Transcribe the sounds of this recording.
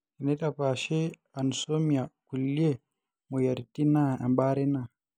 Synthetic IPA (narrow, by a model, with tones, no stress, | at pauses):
i˨nɛ˦ɗapa˨ʃɛ˦ | a˨nso˦mia˨ku˨lːi˦ɛ | mɔ˨ja˨ɾti˦na˦a̰˨mba˦ɾɛ˦na˨